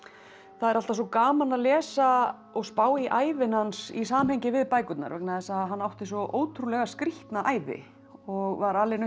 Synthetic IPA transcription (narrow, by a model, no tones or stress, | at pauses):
θaðɛɾal̥t̪as̬ɔkaːmanaðlɛːsa | ɔɣspaːwiʔaːjvɪnhansisaːmhɛjɲcɪvɪðpaːjkʏt̪na̰ɾvɛknaðɛsaðɦanːawht̪ɪsɔʔoːwt̪ʰɾulɛɣaskɾiht̪naʔaːjðɪ̰ | ɔɣvaɾaːlɪn